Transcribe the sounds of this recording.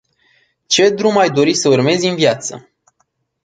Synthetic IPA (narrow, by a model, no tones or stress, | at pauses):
t͡ʃe̞d̪ɾumajd̪o̞ɾisəurme̞zɨnvjat̪sə̰